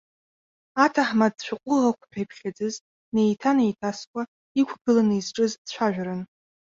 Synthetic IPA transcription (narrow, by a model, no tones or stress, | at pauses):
atʰaħmad̚t͡ʃʷʰᶣaqʷʼʊʁakʷʰpʰᶣejpʰχʲad͡zɨz | nejtʰanejtʰaskʷʼa | ikʷʰɡɨlanɨizʈ͡ʂʼɨzdt͡ɕʷʰaʒᶣɾɨn